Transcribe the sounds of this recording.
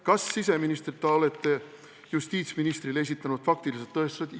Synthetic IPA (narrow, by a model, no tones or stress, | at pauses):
kɑsːis̬e̞minist̪rit̪ːɑo̞le̞t̪ːe | just̪iːt̪sminist̪rile̞s̬it̪ːˑɑnud̪̥fɑk̚t̪ilis̬et̪ːɤest̪vɑd̪